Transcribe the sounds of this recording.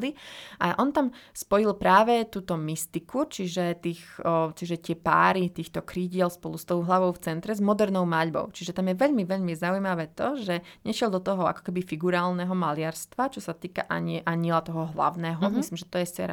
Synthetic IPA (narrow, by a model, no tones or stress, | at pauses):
liʔa̰ʔɔnt̪amspɔjilpɾaːʋɛt̪uːt̪ɔmist̪ikʰut͡ʃiʒɛt̪iːxt͡ʃiʒɛt̪ɪɛpa̰ːɾit̪iːxt̪ɔkɾiɟɪɛlspɔlust̪ɔʊɦlaʋɔʊft͡sɛnt̪ɾɛzmɔd̪ɛɾnɔʊmaʎbɔ̰ʊt͡ʃiʒɛt̪amjɛʋɛʎmiʋɛʎmizaujmaʋɛːt̪ɔʒɛɲɛʃɪɛlˠd̪ɔt̪ɔɦɔa̰kɔ̥kɛbifiɡuɾaːlnɛɦɔmalɪaɾst̪ʋat͡ʃɔsat̪iːka̰ʔa̰ɲiʔaɲilat̪ɔɦɔɦla̰ʊnɛːɦɔmmislimʒɛt̪ɔjɛsɛ̰ɾa̰